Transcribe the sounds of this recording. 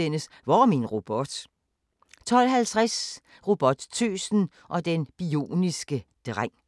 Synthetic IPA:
enəs | ʋɒminʁo̝b̥ɔd̥ | t͡sʰɒ̽l̰ɦælt͡sʰʁas | ʁo̝b̥ɒ̽d̥t͡sʰyːsn̩ | ʔɒ̽d̥enb̥io̝̰ːnisɡ̥əd̥ʁaŋ̰

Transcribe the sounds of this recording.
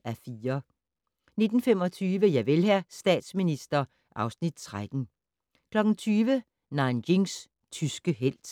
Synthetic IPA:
æfiːɐ | ne̝d̥n̩fem̰ɒ̽t͡sʰyːʋəjɑ̈ɪʋelɦæsd̥ɛ̰ːd̥sminisd̥ɐ | ʔɑ̈ʊsnid̥̚t͡sʰʁad̥n̩ | kʰlɒ̽ɡ̥n̩t͡sʰyːʋə | nɑ̈ɪnɡeŋs | t͡sʰysɡ̥əɦel̰d̥

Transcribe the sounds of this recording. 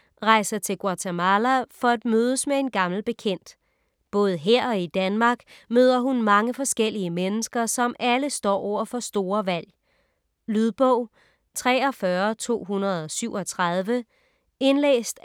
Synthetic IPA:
ʁɑ̈ɪ̰sɐt͡sʰe̝lɡ̥wɑ̈t͡sʰemɑlæfɒ̽æd̥̚møːð̞ˠəsmee̝nɡ̥ɑ̈ml̩b̥e̝kʰen̰d̥ | b̥ɔ̽ːð̞̩ˠəɦeɐ̰ɒ̽id̥ænmɑ̈ːɡ̥møːðˠɐɦunmɑ̈ŋəfɒ̽sɡ̥el̰iəmenəsɡ̥ɐsɒ̽mʔæləsd̥ɒ̰ːɒʊ̰ɐfɒ̽sd̥o̝ːɐʋæl̰ | lyðˠb̥ɔʊ̰ | t͡sʰʁɛ̰ːɒfɶɐt͡sʰo̝̰ːɦunɐð̞̩ˠɒ̽syʊ̰ɒ̽t͡sʰʁɑð̞ˠʋə | e̝nlḛːsd̥

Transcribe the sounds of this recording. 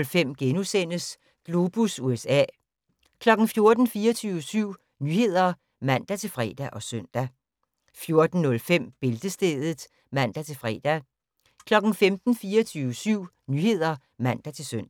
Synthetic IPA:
lfem̰ɡ̥enusen̰əs | ɡ̥lo̝b̥usuesɛ̰ː | kʰlɒ̽ɡ̥n̩fjo̝ɐd̥n̩fiːɐt͡sʰyːʊəsyʊ̰ | nyːhe̝ð̞̰ˠɐ | mæn̰d̥æt͡sʰe̝lfʁɛ̰ːd̥æʔɒ̽sœn̰d̥æ | fjo̝ɐd̥n̩nɔ̽lfem̰b̥e̝ld̥əsd̥ḛːðˠð̩ˠ | mæn̰d̥æt͡sʰe̝lfʁɛ̰d̥æ | kʰlɒ̽ɡ̥n̩femd̥n̩fiːɐt͡sʰyːʋəsyʊ̰ | nyhe̝ð̞̰ˠɐ | mæn̰d̥æt͡sʰe̝lsøn̰

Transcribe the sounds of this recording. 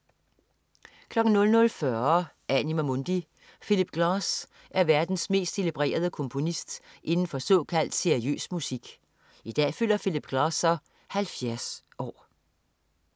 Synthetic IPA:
kʰlɒ̽ɡ̥n̩nɔ̽lnɔ̽lfɶɐ | ʔænimæmond̥i | filib̥ɡ̥lɑ̈ːs | ʔæɐʋæɐd̥n̩sme̝̰ːsd̥e̝lib̥ʁḛːɐð̞ˠəkʰɔ̽mpʰo̝nisd̥ʔe̝nn̩fɒ̽sɒ̽ːkʰæl̰d̥seɐiø̰ːsmusiɡ̥ | id̥ɛ̰ːføl̰ɐfilib̥ɡ̥lɑ̈ːsɒ | hælfjæɐs | ʔɒ̰ː

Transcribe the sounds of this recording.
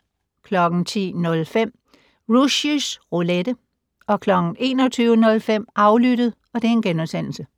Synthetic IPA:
kʰlɒ̽ɡ̥n̩t͡sʰḭːnɔ̽lfem̰ | ʁuɕusʁoled̥ə | ʔɒ̽kʰlɒ̽ɡ̥n̩e̝ːnɒ̽t͡sʰyːʊənɔ̽lfem̰ʔɑ̈ʊlyɾ̥əð̩ˠ | ɒ̽d̥e̝enɡ̥enɔbsen̰l̩sə

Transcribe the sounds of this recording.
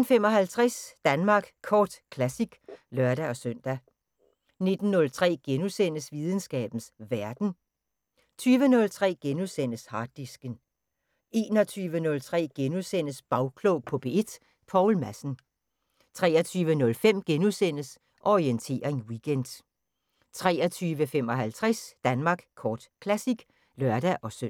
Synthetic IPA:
n̩fem̰ɒ̽ɦælt͡sʰʁɛsd̥ænmɑ̈ːɡ̥kʰɒːd̥kʰlæsiɡ̥lɶɐɾ̥æɒ̽søn̰d̥æ | ne̝d̥n̩ːɔ̽lt͡sʰʁɛ̰ːɡ̥enusen̰əsʋið̞ˠn̩sɡ̥ɛ̰ːb̥n̩sʋæɐd̥n̩ | t͡sʰyːʋənɔ̽lt͡sʰʁɛ̰ːɡ̥enusen̰əshɑ̈ːd̥ːisɡ̥ən | e̝ːnɒ̽t͡sʰyːʋənɔ̽lt͡sʰʁɛ̰ːɡ̥enusen̰əsb̥ɑ̈ʊkʰlɔʊpʰɔ̽b̥e̝e̝d̥ | pʰɑʊlmæsn̩ | t͡sʰʁɛːɐt͡sʰyːʋənɔ̽lfem̰ɡ̥enusen̰əs | ʔɒʁient͡sʰe̝̰ːɐe̝nwiɡ̥end̥ | t͡sʰʁɛːɐt͡sʰyːʋəfem̰ɒ̽ɦælt͡sʰʁɛsd̥ænmɑ̈ːɡ̥kʰɒːd̥kʰlæsiɡ̥ | lɶɐd̥æʔɒ̽sø

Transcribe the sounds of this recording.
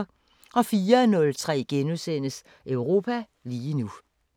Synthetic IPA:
ɒ̽fiːɐnɔ̽lt͡sʰʁɛ̰ːɡ̥enusen̰əs | ʔœʊʁo̝̰ːpʰæ | liːnu

